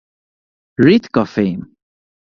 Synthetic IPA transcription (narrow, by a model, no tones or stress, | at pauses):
ɹit̪kɔfem